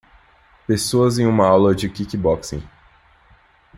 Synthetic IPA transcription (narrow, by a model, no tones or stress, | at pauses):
pesoɐzẽj̃ũmɐawlɐd͡ʒɪkikibɔksḛ̃j